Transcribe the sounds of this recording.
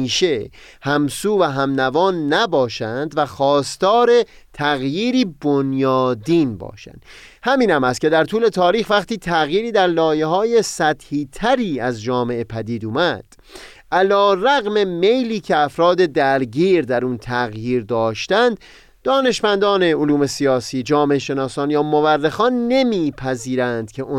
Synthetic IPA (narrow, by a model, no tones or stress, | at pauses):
iːʃe | hæmsuːvæɦæmnævɒːnːæbɒːʃænd̪væxɒːst̪ɒːɾe̞ | t̪ʰæɣjiːɾiːbonjɒːd̪iːnbɒ̰ːʃæ̰nd̪ | hæmiːnhæmæst̪ce̞d̪æɾt̪ʰuːle̞t̪ʰɒːɾiːxvæqt̪iːt̪ʰæɣjiːɾiːd̪æɾlɒːje̞ɦɒːje̞sæt̪hiːt̪ʰæɾiːæzd͡ʒɒːme̞ʔepʰæd̪iːd̪uːmæd̪̥ | ʔælɒːræɣme̞me̞jliːcʰe̞æfɾɒːd̪e̞d̪æɾɟiːɾd̪æɾunt̪ʰæɣjiːɾd̪ɒːʃt̪ænd̪ | d̪ɒːne̞ʃmænd̪ɒːne̞oluːme̞siɒːsiːd͡ʒɒːme̞eʃe̞nɒːsɒːnjɒːmoværːexɒːnːe̞miːpʰæziːɾænd̪̥cʰe̞ʔo